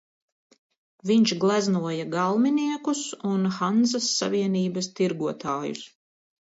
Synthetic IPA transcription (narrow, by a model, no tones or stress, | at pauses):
viɲt͡ʃɡlˠæznuɔjaɡalˠminiɛkusunxanzasːa̰viɛniːbɐst̪iɾɡuɔt̪aːjṵs